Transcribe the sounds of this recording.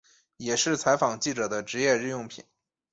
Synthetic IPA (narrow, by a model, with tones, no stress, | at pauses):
jɛ˨˩ʂɻ̩˥˩t͡sʰa˧˥ɪfɑ˨˩ŋt͡ɕi˥˩ʈ͡ʂɤ˨˩d̪ə˦ʈ͡ʂɻ̩˧˥jɛ˥˧ɻɻ̩˥˧jʊ˥˩ŋpʰḭ˨˩˦n